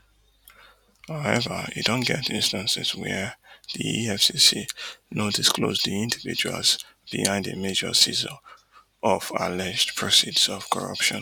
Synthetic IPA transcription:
haʊɛvə̰ḭdõnɡɛtĩnstãnsɛzwɛðiiɛfsisinodisklosðiĩndivid͡ʒa̰lz | b̥ihãɪ̃ndə̰med͡ʒə̰sizɔ | ʔɔvalɛd͡ʒdpʰɹɔsidsɔv̥kʰɔɹʌ̰pʃɔ̃n

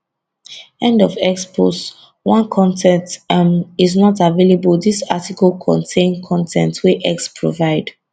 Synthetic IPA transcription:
ɛ̃ndɔvɛkspʰost | wãnkʰɔ̃ntʰɛ̃nt | iznɔtavelebəldisatikəlˠkʰɔ̰̃ntʰẽnkʰɔ̃ntʰɛ̃ntwiʔɛkspʰɹo̰vaɪd

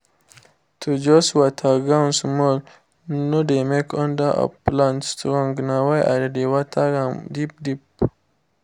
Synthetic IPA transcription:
t̪ud͡ʒoswat̪ʰaɡansmol | nod̪emekʰond̪aa̰planst̪ɾoŋɡnawaja̰ɾad̪ewat̪ʰaɡamd̪ip̚d̪ip

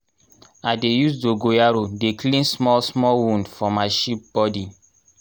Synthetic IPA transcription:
adejusdoɡojaɾodeklĩnsmɔlsmɔlwũndfɔmaʃip̚b̥ɔdi

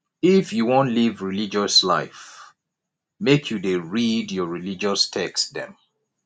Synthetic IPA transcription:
ifjuwõntlivɹilid͡ʒɔsla̰ɪf | mekʰjudeɹidjɔɹilid͡ʒɔstʰɛksdɛ̰̃m

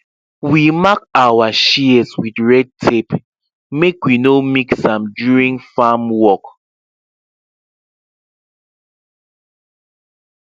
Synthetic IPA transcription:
wimak̚awaʃiɛswidɹɛd̚tʰep | mekwinomiksãmdjuɹĩŋfamwɔk

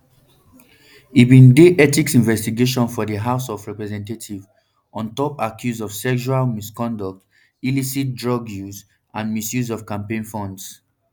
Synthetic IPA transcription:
ibĩndeɛtiksĩnvɛstiɡeʃ̬ɔ̃nfɔdəɦaʊsɔvɹɛpɹɛzɛ̃ntetʰiv | ʔɔ̃ntɔpakʰjuzɔv̥sɛkʃualmiskɔ̃ndɔk̚t | ilisit̚dɹɔɡjuz | ãnmisjuzɔvkãmpẽnfɔ̃nds

